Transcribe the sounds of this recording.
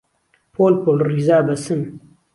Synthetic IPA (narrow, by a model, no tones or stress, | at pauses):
pʰoːlpolɾizaːbɐsɨn